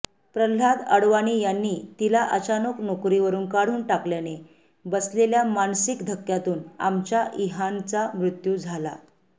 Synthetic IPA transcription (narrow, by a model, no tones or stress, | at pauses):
pɾəl̤ad̪əɽʋaɽ̃iːjanːiːt̪ilaʔət͡ɕanəknokɾiʋəɾuːnkaɽ̤uːnʈakljane | bəsleljamansikd̪ʱəkːjat̪uːna̰mt͡ɕjaʔiɦant͡samɾut̪jud͡zʱala̰